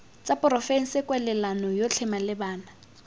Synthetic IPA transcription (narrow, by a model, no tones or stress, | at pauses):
t͡sʼapʼrɔfɛŋ̩sɪkʼwɛlɛlanɔjot͡ɬʰɛmalɪbaːna